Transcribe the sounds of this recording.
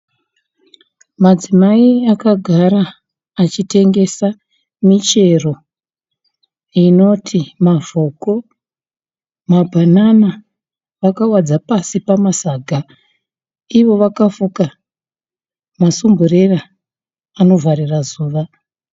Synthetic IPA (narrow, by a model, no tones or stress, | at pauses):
mad͡zimaiakaɡʱaɾaː | t͡ʃite̞ŋɡe̞sa | mit͡ʃe̞ro̞ | ino̞tʰimavoko̞ | mabʱanana | ʋakawad͡zapasipamasaɡʱa | iʋo̞ʋakafuka | masumbure̞ra | ano̞vʱarirazuːʋa